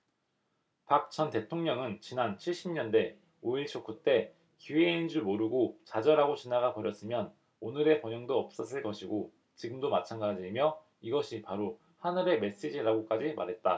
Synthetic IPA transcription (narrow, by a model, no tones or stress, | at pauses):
pak̚t͡ɕ͈ʰʌnte̞tʰoŋɲʌŋɯnt͡ɕinant͡ɕʰiɭɕ͈imɲʌnde̞ | oiɭt͡ɕʰok͈ut͈e̞ | kieind͡ʑumoɾɯɡot͡ɕad͡ʑʌɾaɡot͡ɕinaɡapʌɾjʌs͈ɯmjʌn | onɯɾe̞pʌɲʌŋdoʌp̚s͈ʌs͈ɯɭk͈ʌɕʰiɡo | t͡ɕiɡɯmdomat͡ɕʰanɡad͡ʑimjʌ | iɡʌɕʰipaɾo | hanɯɾe̞me̞s͈ed͡ʑiɾaɡok͈ad͡ʑima̰ɾɦe̞t̚t͈a